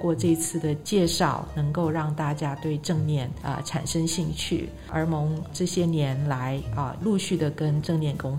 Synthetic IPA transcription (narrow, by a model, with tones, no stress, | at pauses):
kwɔ˥˧ʈ͡ʂɤ˥˧i˥t͡sʰɹ̩˥˩d̪ə˩t͡ɕjɛ˥˧ʂɑ˥˩ʊnɤ˧˥ŋko˥˧ʊɻɑ˥˧ŋt̪a˥˩t͡ɕja˥t̪we˥˧ɪʈ͡ʂɤ˥˧ŋnjɛ˥˩nə̰˧ʈ͡ʂʰa̰˨˩nʂə˥ŋɕi˥˧ŋt͡ɕʰy̰˥˩ | ə̰˞˧˥mʊ˧˥ŋʈ͡ʂɤ˥˩ɕjɛ˥njɛ˧˥nla˧˥ɪə̰˧lu˥˧ɕy˥˩d̪ə˩kə˥nʈ͡ʂɤ˥˧ŋnjɛ˥˩nkʊ˥ŋ